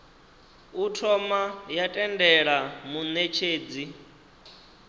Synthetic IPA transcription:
utʰɔmajatʼɛndɛɺamunet͡ʃʰeːd͡zi

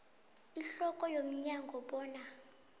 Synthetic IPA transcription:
iɬɔkʼɔjom̩ɲaŋɡʱɔɓɔːna

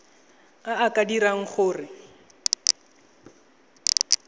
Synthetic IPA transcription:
aakʼadiɾaŋ̩χʊːrɪ

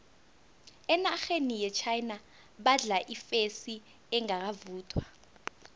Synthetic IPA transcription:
ɛnaxenijɛt͡ʃʰajna | ɓaɮaʔifesi | ɛŋak̬avuːtʰwa

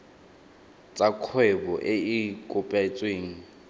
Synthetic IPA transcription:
t͡sʼakʰwɛbɔʔeikʼʊpʼat͡sʼweːŋ̩

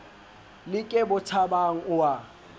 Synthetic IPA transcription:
lɪkʼɛbʊtʰabaŋ̩ʊwa

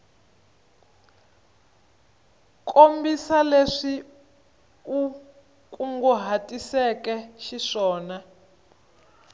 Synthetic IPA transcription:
kʼombisaleʂi | u | kʼuŋɡuɦatʼisɛkɛʃiʂɔːna

